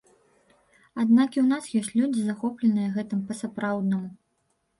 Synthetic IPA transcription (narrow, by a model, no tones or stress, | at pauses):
ad̪nakʲiwnasjɔsʲtʲt͡sʲlʲud͡zʲizaxɔplʲɛnɨjɐɣɛt̪ɨmpɐsapɾawd̪nɐmu